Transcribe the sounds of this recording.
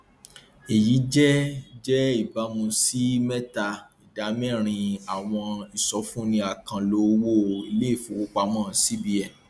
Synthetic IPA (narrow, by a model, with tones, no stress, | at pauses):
e˨ji˨˦d͡ʒɛ˦d͡ʒɛ˦i˦˨ba˨˦mũ˧si˦mɛ˦ta˧i˨da˨˦mɛ̃˦˨ɾ̃ĩ˧a˨w̃ɔ̃˧i˨sɔ˨˦fũ˦nĩ˧a˨kã˧lo˨˦wo˦˨i˧˦le˦i˦˨fũ˨˦o˧˦k͡pa˧mɔ̃ː˦˨si˦bi˧ɛ˨